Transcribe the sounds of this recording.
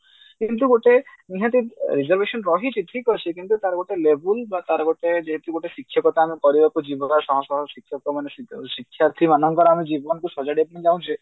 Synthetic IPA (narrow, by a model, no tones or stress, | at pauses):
kint̪uɡoʈe | iɦãt̪iɾid͡ʒɔɾbeʃɔnɾɔɦit͡ʃiʈʰikɔɾt͡ʃʰikint̪ut̪aɾɡoʈelebulbat̪aɾɡoʈed͡ʒeɦet̪uɡoʈeʃikʰːjɔkɔt̪aːmikɔɾiɾɔkud͡ʒibɔkaɾsɔɦɔ̃sɔɦsikʰːjɔkɔmanessikʰːjaɾt̪ʰimanɔŋkɔɾamid͡ʒibɔnkusɔd͡ʒaɖepnid͡ʒaw̃t͡ʃʰi